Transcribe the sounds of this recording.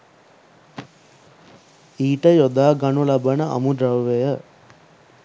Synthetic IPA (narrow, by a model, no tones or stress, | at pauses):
iːʈəjod̪aːɡanulabənəa̰muɖɾɐwʋejə